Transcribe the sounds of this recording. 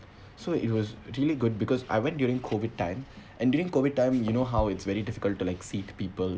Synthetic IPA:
soːʔɪ̰ʈwɔzɾiəliɡʊɖ̚bɪkɔza̰ɪʋɛ̃nʈ̚djuːɾɪ̃ŋkʰoʋɪɖ̚ʈã̰ɪ̃m | ʔɛ̃nɖjuːɾɪ̃ŋkoːʋɪɖ̚ʈãɪ̃mjuñoːɦaʊɪʈsʋɛɾiɖɪfɪ̥kəlʈːulaɪksiːt̪piːpəl

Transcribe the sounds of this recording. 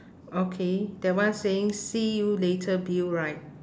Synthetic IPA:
okʰed̥ɛwãnseɪ̃ŋsijuletʰəbiɹaɪt̚

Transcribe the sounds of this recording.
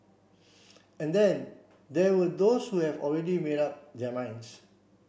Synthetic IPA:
ɛ̃ndɛ̃n | dɛwədoshuhɛvɔ̰lɹɛdimeɾap̚dɛmãɪ̃ns

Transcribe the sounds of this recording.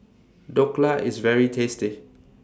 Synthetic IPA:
dɔklaʔḭzvɛɹitʰestɪ

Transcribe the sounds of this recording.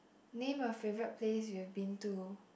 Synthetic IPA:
nẽmɔfevɹət̚pʰleswiɛvbĩntu

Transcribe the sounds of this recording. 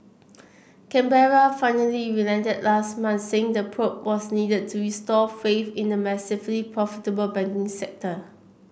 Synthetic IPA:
kɛ̃mbɛɹafãɪnəliɹilɛ̃ntəd̚lasmãnt̪seɪ̃ŋdəpʰɹop̚wɔsnidəd̚tʰuɹistɔfefĩndəmɛsɪflipʰɹɔfitəbəlbɛ̃ŋkɪ̃ŋsɛk̚tə

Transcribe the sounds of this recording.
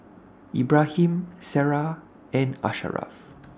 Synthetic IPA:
ibɹahĩmsɛɹa | ʔɛ̃na̰ʃa̰ɹa̰f

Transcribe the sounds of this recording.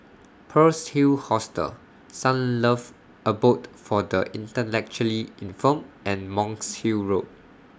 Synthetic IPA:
pʰəshilhɔstə̰l | sãnləv | əbotfɔdəʔĩntəlɛk̚t͡ʃuəliĩnfɔ̃mɛ̃nmɔ̃ŋshiɹot̚

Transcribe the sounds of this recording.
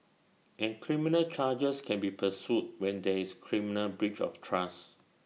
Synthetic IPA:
ʔɛ̃nkʰɹiminəlt͡ʃad͡ʒəskʰɛ̃nbipʰəsjut̚wɛ̃ndɛiskʰɹiminəlbɹit͡ʃɔ̰ftʰɹas

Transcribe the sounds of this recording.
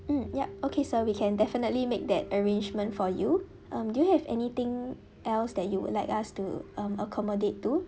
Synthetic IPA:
m̩jaokʰesowikʰɛ̃ndɛfənətlimek̚dɛtəɹẽnd͡ʒmə̃ntfɔju | ʔãmdujuhɛvɛ̰nit̪ɪ̃ŋ | ʔɛlsdɛt̚juwʊ̰dlaɪkastuãməkʰɔmodetːu

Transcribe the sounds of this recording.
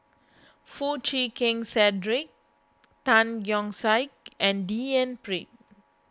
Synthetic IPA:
fut͡ʃikĩŋsɛdɹik̚ | tãnjɔ̃ŋsajk̚ʔɛ̃ndiɛ̃npɹik̚

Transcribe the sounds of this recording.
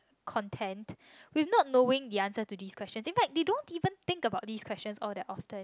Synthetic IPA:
kʰɔ̃ntʰɛ̃nt | wivnɔt̚noɪ̃ŋdiãnsətudiːskʰwɛstt͡ʃə̃nsĩnfɛk̚dedõntivə̃nt̪ɪ̃ŋkəbaʊt̚diːskwɛst͡ʃə̃nsɔldɛtɔftə̃n

